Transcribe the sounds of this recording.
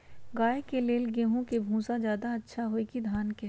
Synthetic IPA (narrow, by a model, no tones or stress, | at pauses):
ɡaːekeleːlɡeːɦõkebʱũːsad͡ʒjaːd̪aɐtːʃʰaɦoːekid̪ʱaːnke